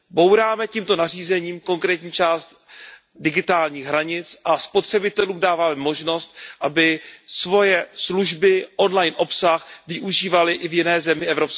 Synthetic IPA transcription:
bo̞wɾaːmɛciːmt̪o̞nariːzɛɲiːmko̞ŋkɾɛːt̪ɲiːt͡ʃaːst̪ | dɪɡɪt̪aːlɲiːɣɦɾaɲɪt͡sʔaspo̞t̪r̝̥ɛbɪt̪ɛluːmdaːvaːmɛmo̞ʒno̞st̪̚ʔabɪsvo̞jɛsluʒbɪʔo̞nlajnʔo̞psaxvɪʔuʒiːvalɪʔɪvjɪnɛːzɛmɪʔɛvɾops

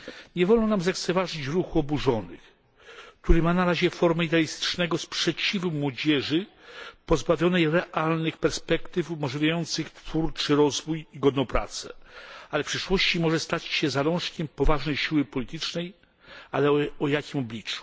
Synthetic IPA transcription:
ɲɛvɔlnɔ̃namzakt̪sɛvaʐɘt͡ɕɾuxuɔbuʐɔnɘ̰x | k̚t̪uɾɘmanaɾaʑɛfɔɾmɛid̪ɛalʲist̪ɘ̥t͡ʂnɛɡɔspʂɛt͡ɕivumwɔd͡ʑɛʐɘpɔzbavʲjɔnɛjɾɛʔalnɘxpɛɾspɛkt̪ɘfumɔʐlʲivʲjajɔnt̪sɘxt̪fuɾt͡ʂɘɾɔzvujiɡɔd̪nɔpɾa̰t̪sɛ̰alɛfpʂɘʂwɔɕt͡ɕimɔʐɛst̪at͡ɕɕɛzaɾɔ̃ʂkʲɛmpɔvaʐnɛjɕiwɘpɔlʲit̪ɘt͡ʂnɛj | alɛɔjakʲimɔblʲit͡ʂu̥

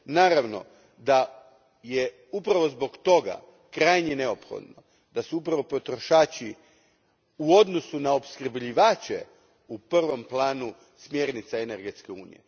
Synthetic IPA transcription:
naːɾaʋno̞̰ | d̪a | je | upɾaʋo̞zbo̞ɡt̪o̞ɡa̰ | kɾaːjɲine̞o̞pxo̞̰d̪no | d̪asuupɾaʋo̞po̞t̪ɾo̞ʃaːt͡ʃi | uod̪no̞sunaopskər̩bʎiʋaːt͡ɕḛ | upr̩ʋo̞mplˠaːnu | smje̞ːɾnit̪saene̞ɾɡe̞t̪skeuːnḭjḛ

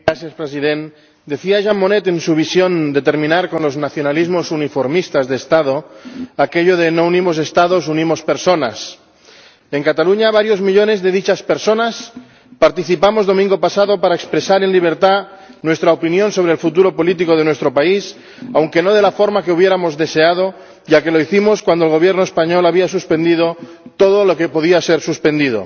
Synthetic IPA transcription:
ɾaθjaspɾesiðen | d̪e̞θiaʒamːonet̪e̞nsuβ̞isjond̪et̪e̞ɾmĩnaɾkonlo̞znaθjonalizmosunifoɾmist̪azðeːst̪að̞oake̞ʎoðenounimos̬e̞st̪að̞o̞s̬unimo̞speɾsona̰s | e̞ŋkat̪aluɲaβ̞aɾjo̞zmiʎo̞ne̞zðe̞ðit͡ʃaspeɾsonas | paɾt̪iθipamo̞zðo̞mĩŋɡo̞pasaðo̞paɾaekspɾe̞saɾe̞nliβ̞e̞ɾt̪a | nwe̞st̪ɾaopinjo̞nso̞β̞ɾelfut̪̬uɾo̞po̞lit̪̬iko̞ð̞e̞nwest̪ɾopais | awŋke̞no̞ðe̞lafo̞ɾmakeuβ̞je̞ɾamo̞zðe̞se̞að̞o̞ | ʝake̞lo̞iθimo̞skwand̪olɣo̞βje̞ɾnoespaɲo̞laβias̬uspe̞nd̪ið̞o̞ | t̪o̞ð̞olo̞ke̞po̞ðiase̞ɾsuspẽ̞nd̪iðo̰

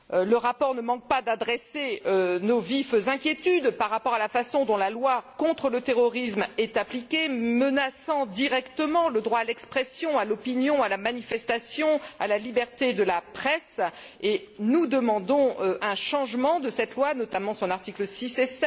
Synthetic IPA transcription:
ləʁapɔʁnəmɑ̃k̚pad̪ad̪ʁɛseønovifzɛ̃kʲjet̪yd̪paʁːapɔʁalafasɔ̃d̪ɔ̃lalwakɔ̃t̪χələt̪eʁɔʁismɛt̪aplikʲemənasɑ̃d̪iʁɛkt̪əmɑ̃ləd̪ʁwaːlɛkspχɛsjɔ̃alɔpinjɔ̃alamanifɛst̪asjɔ̃alalibɛʁt̪ed̪əlapχɛs | e | nud̪əmɑ̃d̪ɔ̃øɛ̃ʃɑ̃ʒmɑ̃d̪əsɛt̪lwanɔt̪amɑ̃sɔ̃naʁt̪ikləsisesɛt̪

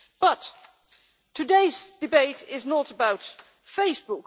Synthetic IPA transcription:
b̥ʌt | tʰɨdeɪzd̥ɨbeɪɾɪznəɾəbaʊt | feɪsb̥ʊk

